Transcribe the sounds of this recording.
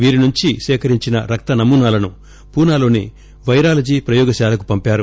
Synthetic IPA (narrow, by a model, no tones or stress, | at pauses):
ʋiːɾinuɲt͡ʃiʃɛːkɐɾiɲt͡ʃinɐ̰ɾɐk̚t̪ɐnɐmuːnaːlɐnu | puːnaːlo̞ːni | ʋɐjɾaːlɐd͡ʒiːpɾɐjɔːɡɐʃaːlɐkupɐmpaːɾu